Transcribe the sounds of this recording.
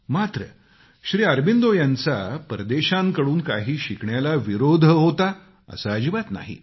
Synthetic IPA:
mat̪ɾə | ɕɾiːəɾbind̪ojãnt͡sa̰pɾəd̪eɕãŋkəɽuːnkaɦiːɕikɳjalaʋiɾod̪ʱɦot̪a | ə̰saːd͡ʑiʋat̪na̰ɦḭ

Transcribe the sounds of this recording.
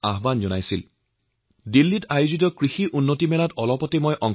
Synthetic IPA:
aɦbanzɔnajsil | dilːitajʊzit̬ɔkɹixiʔunːotimɛnatɔlɔpɔtemojʔɔŋ

